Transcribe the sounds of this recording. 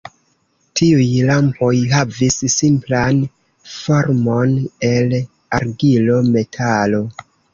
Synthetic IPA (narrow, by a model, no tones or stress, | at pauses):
tʰiujlampo̞jɦavisːimplan | fo̞ɾmo̞ne̞l | aɾɡilo̞me̞tʰalo̞